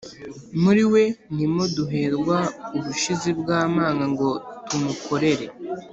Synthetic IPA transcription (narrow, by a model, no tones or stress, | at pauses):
muɾiwe̞nimoduɦe̞ɾɡwauβuʃizibɡaːmaːŋɡaŋɡo̞tumukʰo̞ɾe̞ɾe̞